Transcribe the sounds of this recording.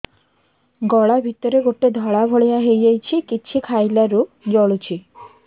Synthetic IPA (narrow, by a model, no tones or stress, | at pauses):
ɡɔɭabʱit̪ɔɾeɡoʈed̪ʱɔɭabʱoɭijaɦejajt͡ɕʰikiːt͡ɕʰikʰajlaɾu | d͡ʒɔɭut͡ɕʰi